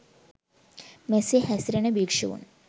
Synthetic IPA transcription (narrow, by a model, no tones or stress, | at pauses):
mesihɐsɾɐnɐbiːkʂɐʋṵn